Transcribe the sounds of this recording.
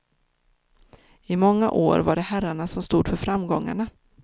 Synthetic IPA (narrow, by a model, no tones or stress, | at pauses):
ɪmɔŋːa̰ʔoːɾvaɖɛhæɾaɳasɔmst̪uːd̪fœɾfɾamɡɔŋːa̰ɳa